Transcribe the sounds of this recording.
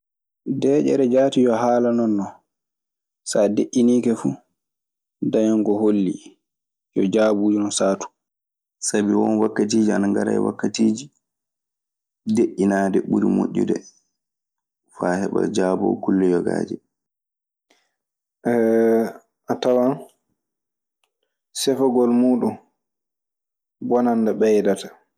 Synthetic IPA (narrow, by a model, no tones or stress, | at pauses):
dɛːʔɛ̰ɾɛd͡ʒaːtijɔɦaːlanɔnːɔ | sadeʔːiniːkɛfu | dajɔŋɡɔholːḭ | jɔd͡ʒaːbuːd͡ʒinɔsaːtu̥ | sabiwɔnwakːatiːd͡ʒianaŋɡaɾajwa̰kːatiːd͡ʒi | deʔinaːdɛɓuɾimoʔʲːudɛ | faːhɛɓa̰d͡ʒaːbɔ̰kulːɛjɔɡa̰ːd͡ʒɛ | ʔɛ | ʔatawan | sɛfaɡɔlmuːɗun | bɔnandaɓɛjdatḁ